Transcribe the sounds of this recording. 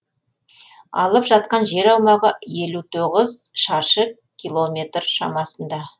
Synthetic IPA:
ɑ̰lˠəpʒɑt̪̚qɑnʒe̞ɾɑwmɑʁəje̞lut̪ʰoʁəzʃɑʃə | kʲʰːijlˠo̞mʲe̞t̪rʃɑ̰mɑsənd̪ɑ

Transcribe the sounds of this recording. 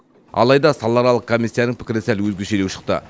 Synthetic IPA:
ɑ̰lˠɑjd̪ɑsɑlˠːɑɾɑlˠəq̚kʰomijsʲːijanəŋpʰɪ̥kʲɪɾɪnsɪælwɵzɡʲeʃelewʃə̥qt̪ə̰

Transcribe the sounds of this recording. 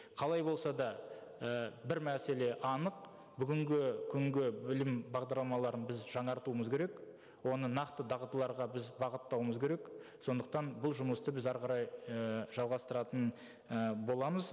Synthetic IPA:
qʰɑlˠɑjbo̞lˠsɑd̪ɑəbɪɾmæse̞le̞ʔɑnəq̚ | bʏɡʲɪŋɡʲɪkʲʰʏŋɡʲɪbɪlɪmbɑʁd̪ɑɾlˠɑmɑlˠɑɾənbɪzʒɑɴɑɾt̪uəməzkʲʰe̞ɾe̞k | wo̞nənɑqt̪əd̪ɑʁət̪əlˠɑɾʁɑbɪzbɑʁət̪ːɑwəməzkʲʰe̞ɾe̞kso̞nd̪əq̚t̪ɑnbʊlˠʒʊməst̪əbɪzɑɾʁɑɾɑjəʒ̥ɑlˠʁɑst̪əɾɑt̪ən | əbo̞lˠɑməz

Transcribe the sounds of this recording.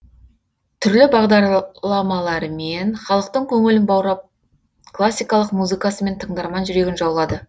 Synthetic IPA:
t̪ʰʏɾlɪbɑʁd̪ɑɾlˠɑmɑlˠɑɾmenχɑlˠəqt̪əɴkʲʰɵŋɪlɪnbɑwɾɑp̚ | klˠasʲːijkɑlˠəqmuzɨkɑsəme̞nt̪ʰəɴd̪ɑɾmɑnʒʏɾe̞ɡʲɪnʒɑwlˠɑd̪ə

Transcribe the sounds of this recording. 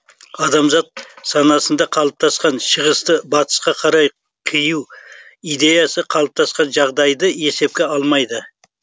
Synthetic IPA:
ɑd̪ɑmzɑt̪̚sɑnɑsənd̪ɑqʰɑlˠəp̚t̪ʰɑsqɑnʃəʁəst̪əbɑt̪ʰə̥sqɑqʰɑɾɑj | qʰijuwid̪e̞jɑsəqʰɑlˠəp̚t̪ʰɑsqɑnʒɑʁd̪ɑjd̪əe̞se̞p̚kʲe̞ɑlˠmɑjd̪ə

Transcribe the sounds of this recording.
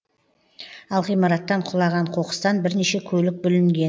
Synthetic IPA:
ɑlˠʁijmɑɾɑt̪ːɑɴqʰʊlˠɑʁɑɴqʰo̞qə̥st̪ɑnbɪɾneʃe̞kʲʰɵlɪk̚bʏlɪŋɡʲe̞n

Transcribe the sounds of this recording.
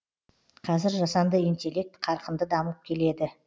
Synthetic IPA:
qʰɑzɪɾʒɑsɑnd̪əint̪ʲe̞lʲːe̞k̚t̪qʰɑɾqənd̪əd̪ɑməp̚kʲʰe̞le̞d̪ɪ

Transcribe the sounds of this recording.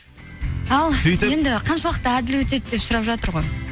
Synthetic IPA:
ɑlˠseje̞nd̪ɪqʰɑnʃɑwˠɑq̚t̪əæd̪ɪlwɵt̪e̞t̪̚d̪e̞psʊɾɑpʒɑt̪əɾʁo̞j

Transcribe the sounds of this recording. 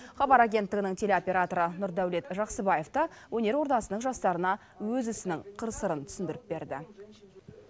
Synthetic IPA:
χɑbɑɾaɡʲe̞nt̪ːɪɡʲɪnɪŋt̪ʲʰe̞lʲeo̞pʲe̞ɾat̪o̞ɾənʊɾd̪æwle̞t̪ʒɑqsəbɑje̞ft̪əwʔɵne̞ɾwo̞ɾt̪ɑsənəɴʒɑst̪ɑɾənɑ | wɵzʏsɪnɪŋqʰəɾsəɾənt̪ʰʏ̥sɪnd̪ɪɾɪp̚be̞ɾd̪ɪ̰

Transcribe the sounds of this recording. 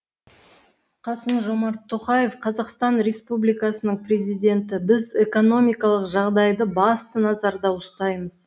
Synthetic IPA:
qʰɑsəmʒo̞mɑɾt̪ʰːo̞qɑje̞fqʰɑzɑqst̪ɑnɾe̞spublijkɑsənəɴprʲe̞zijd̪ʲe̞nt̪ɪbɪze̞ko̞no̞mʲijkɑlˠəqʒɑʁd̪ɑjd̪əbɑst̪ənɑzɑɾd̪ɑwʊst̪ɑjməz

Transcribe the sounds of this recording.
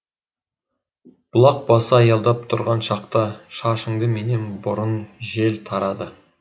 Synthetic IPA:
b̥ʊlˠɑq̚bɑsəɑjɑlˠd̪ɑp̚t̪ʰʊɾʁɑnʃɑqt̪ɑʃɑʃəŋd̪əme̞nenbʊɾənʒe̞lt̪ʰɑɾɑd̪ə

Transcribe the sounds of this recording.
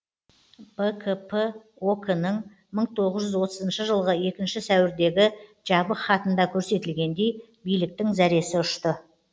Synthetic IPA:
b̥ekʰpʰə | okənəɴ | məɴt̪ʰo̞ʁəzʒʏzwo̞t̪əzənʃəʒəlˠʁəe̞kʲɪnʃɪsæwɪɾd̪e̞ɡʲɪʒ̥ɑbəχɑt̪ənd̪ɑkʲʰɵɾse̞t̪ɪlɡʲe̞nd̪e̞j | bijlɪk̚t̪ɪŋzæɾe̞sɪʊʃt̪ə

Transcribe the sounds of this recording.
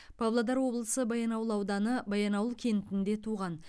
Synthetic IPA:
pʰɑvlˠad̪ɑɾwo̞blˠəsəbɑjɑnɑwəlˠɑwd̪ɑnəbɑjɑnɑwəlˠkʲʰe̞nt̪ɪnd̪e̞t̪ʰuʁɑn

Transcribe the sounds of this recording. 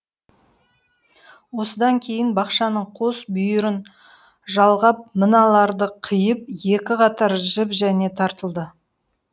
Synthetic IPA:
wo̞səd̪ɑŋkʲʰe̞jɪnbɑqʃɑnəɴqʰosbʏjɪɾɪn | ʒɑlˠʁɑp̚mənɑlˠɑɾd̪əqʰəjəp̚je̞kʲɪqɑt̪ɑɾʒəpʒæne̞t̪ʰɑɾt̪əlˠd̪ə

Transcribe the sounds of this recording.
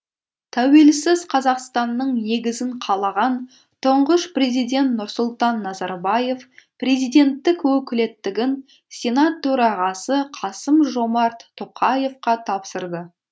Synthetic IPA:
t̪ʰæwe̞lsɪzqʰɑzɑqst̪ɑnːəɴne̞ɡʲɪzɪɴqʰɑlˠɑʁɑn | t̪ʰʊɴʁəʃpre̞zijd̪ʲe̞nt̪nʊɾsʊlˠt̪ɑnːɑzɑɾbɑje̞fpre̞zijd̪e̞nt̪ːɪkwɵkʲɪle̞t̪ːɪɡʲɪn | sʲe̞nat̪ʰːɵɾɑʁɑsəqʰɑsəmʒo̞mɑɾt̪ːʰoqʰɑje̞fqɑt̪ʰɑpsəɾd̪ə

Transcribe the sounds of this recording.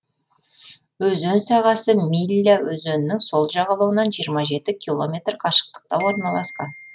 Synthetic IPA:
wɵzɵnsɑʁɑsəmilʲawɵzɵnɪnɪŋso̞lˠʒɑʁɑlˠəwənɑnʒijəɾmɑʒe̞t̪ɪkʲʰilˠo̞mʲe̞t̪rqʰɑʃə̥q̚t̪ə̥q̚t̪ɑwo̞ɾnɑlˠɑsqɑn

